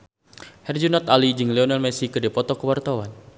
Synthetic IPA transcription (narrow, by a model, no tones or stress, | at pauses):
hɛrd͡ʒunɔt̪alid͡ʒɨŋlɛɔnalmɛsikɨdipɔt̪ɔkəwart̪awan